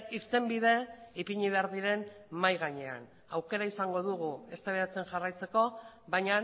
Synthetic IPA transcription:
ist̪e̞mbið̞e̞ipiɲiβ̞e̞aɾðiɾe̞nmajɣaɲe̞a̰n | awke̞ɾaisaŋɡo̞ðuɣ̞ue̞st̪aβeɾat͡se̞nʝarajt͡se̞ko̞ | βaɲa

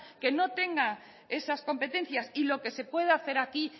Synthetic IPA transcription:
ke̞no̞t̪e̞ŋɡa | e̞sasko̞mpe̞t̪ẽ̞n̟θjasilo̞ke̞se̞pwe̞ð̞aθe̞ɾaki

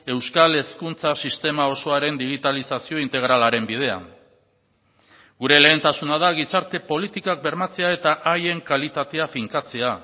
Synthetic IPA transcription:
e̞wskale̞skunt͡sasist̪e̞mao̞so̞aɾe̞nd̪iɣ̞it̪alisasio̞int̪e̞ɣ̞ɾalaɾe̞mbið̞e̞a̰ŋ | ɡuɾe̞le̞ːnt̪asunað̞aɣisaɾt̪e̞po̞lit̪ikak̚be̞ɾmat͡se̞ae̞t̪aʔaje̞ŋkalit̪at̪e̞afiŋkat͡se̞a

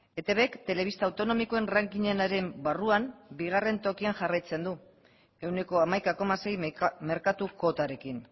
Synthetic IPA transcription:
e̞t̪eβekt̪e̞le̞β̞ist̪awt̪o̞no̞miko̞e̞nraŋkiɲe̞naɾe̞mbaruambiɣ̞are̞nt̪o̞kiaŋʝarajt͡se̞nd̪u | e̞wne̞ko̞amajkako̞mase̞jme̞ɾkat̪uko̞t̪aɾe̞kin

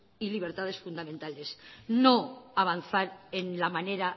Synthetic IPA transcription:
iliβ̞e̞ɾt̪aðe̞sfund̪amẽnt̪ale̞snoaβ̞an̟θaɾenlamaneɾa

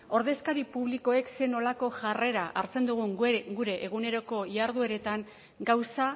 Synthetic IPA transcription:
o̞ɾðe̞skaɾipuβliko̞e̞kse̞no̞lako̞ʝare̞ɾaʔaɾt͡se̞nd̪uɣ̞uŋɡuɾe̞ʔːɣ̞une̞ɾo̞ko̞iaɾðue̞ɾe̞t̪aŋ | ɡawsa

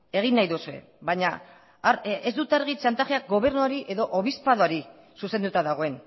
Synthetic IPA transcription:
e̞ɣ̞inːajðusue̞̰ | βaɲa | ɾezd̪ut̪aɾɣit͡ʃant̪axeakɡo̞β̞e̞ɾnuaɾiʔe̞ðo̞ʔoβ̞ispaðoaɾi | suse̞nd̪ut̪aðaɣ̞o̞e̞n

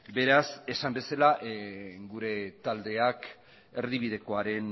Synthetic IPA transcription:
be̞ɾase̞sambe̞salaʔɡuɾe̞t̪ald̪e̞ak | eɾðiβ̞ið̞e̞ko̞aɾe̞n

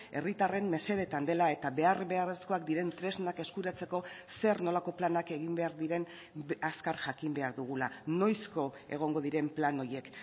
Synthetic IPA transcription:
e̞rit̪are̞mme̞se̞ð̞e̞t̪and̪e̞lae̞t̪aβe̞arβe̞are̞sko̞akd̪iɾe̞nt̪ɾe̞znake̞skuɾat͡se̞ko̞se̞ɾno̞lako̞planake̞ɣ̞imbe̞aɾðiɾe̞n | askaɾʝakimbe̞aɾðuɣ̞ulano̞jsko̞ḛɣ̞o̞ŋɡo̞ðiɾe̞mplano̞je̞k

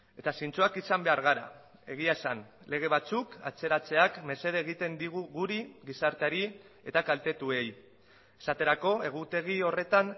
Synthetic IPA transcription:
e̞t̪asint͡suakisambe̞aɾɣaɾa̰ | e̞ɣ̞iaesanle̞ɣ̞e̞β̞at͡suka̰t͡se̞ɾat͡se̞akme̞se̞ð̞eːɣ̞it̪e̞nd̪iɣ̞uɣuɾiɣisaɾt̪eaɾi | e̞t̪akalt̪e̞t̪ue̞j | esat̪e̞ɾako̞e̞ɣ̞ut̪e̞ɣ̞iore̞t̪an

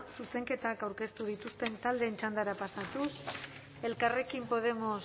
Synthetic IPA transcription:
suse̞ŋke̞t̪akawɾke̞st̪uð̞it̪ust̪e̞nt̪ald̪e̞ːnt͡ʃand̪aɾapasat̪us | e̞lkare̞kimpo̞ð̞e̞mo̞s

